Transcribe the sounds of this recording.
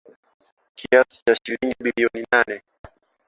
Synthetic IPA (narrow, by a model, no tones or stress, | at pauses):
kʰiasi̥t͡ʃaʃiliŋɡiɓiliɔninanɛ